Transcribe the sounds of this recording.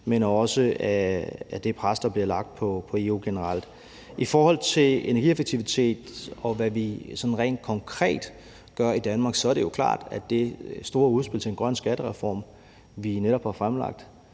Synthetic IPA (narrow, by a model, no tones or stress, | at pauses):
menɐɒ̽səææd̥e̝pʰʁasd̥ɑ̈b̥liɐlɑ̈ɡ̥̚d̥pʰɒ̽pʰɒ̽e̝uɡ̥e̝nəʁɑl̰d̥ | ifɒːhɒ̽l̰t͡sʰe̝le̝nɐɡ̥iefeɡ̥̚t͡sʰiʋit͡sʰe̝̰ːd̥ɒ̽ʋæʋisɒ̽d̥n̩ʁɛ̰ːnd̥̚kʰɒ̽ŋkʰʁɛ̰ːd̥ | ɡ̥ɶɐid̥ænmɑ̈ːɡ̥sɒ̽æɐɾe̝jo̝kʰlɑ̰̈ːd̥æd̥e̝sd̥o̝ːɐuð̞ˠsb̥elt͡sʰe̝enɡ̥ʁɶn̰sɡ̥æɾ̥əʁɛfɒ̰ːm | ʋineɾ̥ɒ̽b̥hɑ̈fʁamlɑ̈ɡ̥̚d̥